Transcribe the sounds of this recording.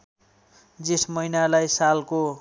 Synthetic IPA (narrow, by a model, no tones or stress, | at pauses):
d͡zesmʌjnalajsalko